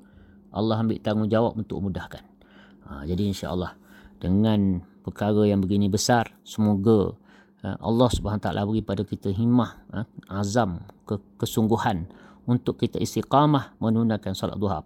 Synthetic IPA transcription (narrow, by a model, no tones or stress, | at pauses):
ʔɑ̰lːɑɦəmbɪʔt̪aŋund͡ʒawap̚unt̪ʊ̰kmudahkan | əd͡ʒadiinʃa̰ʔɑ̰lːɑhdəŋãnpəkaɾəjaŋbəɡinĩbəsarsəmoɡə̰ | ʔɑ̰lːɑhsubaanːt̪aʔa̰lʔa̰bəɣipadakit̪əɦimahazamkəkəsuŋɡuhan | unt̪ʊkːit̪əʔist̪iqamahmənunakansɔla̰t̪̚d̪uɦa̰p̚